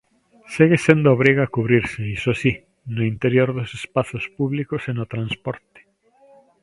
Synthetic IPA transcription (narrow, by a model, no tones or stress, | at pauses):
siɣesend̪ooβɾiɣaakuβɾiɾseisosi | noint̪eɾjoɾðosespaθospuβlikosenot̪ɾanspɔɾt̪e̥